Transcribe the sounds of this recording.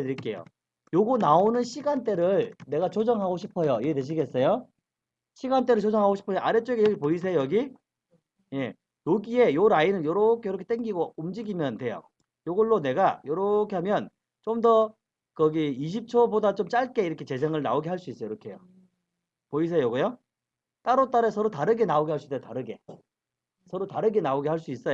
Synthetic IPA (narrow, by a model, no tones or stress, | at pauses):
tɯɾik͈e̞jo̰ | joɡonaonɯnɕʰiɡant͈e̞ɾɯɭne̞ɡat͡ɕod͡ʑʌŋɦaɡoɕʰipʰʌjoiɡeteɕ̬ʰiɡe̞s͈ʌjo | ɕʰiɡant̬͈e̞ɾɯɭt͡ɕod͡ʑʌŋɦaɡoɕʰipʰʌaɾet͡ɕ͈oɡejʌɡipois̬ʰejojʌɡi | je̞ | joɡie̞joɾainɯnjʌɾʌkʰejʌɾkʰet͈eŋɡiɡoumd͡ʑiɡimjʌntwe̞jo̰ | joɡʌɭːone̞ɡajʌɾʌkʰe̞ɦamjʌn | t͡ɕomdʌ | kʌɡiiɕ̬ʰip̚t͡ɕʰobodat͡ɕ͈omt͡ɕ͈aɭk͈e̞iɾʌkʰe̞t͡ɕe̞s̬ʰeŋɯɭna̰oɡeɦaɭs͈uis͈ʌjiɾʌkʰe̞jo | pois̬ʰe̞joɡojo | t͈aɾot͈aɾesʰʌɾotaɾɯɡe̞naoɡeɦaɭs͈idetaɾɯɡe̞̰ | sʰʌɾotaɾɯɡe̞naoɡehaɭs͈uis͈ʌjo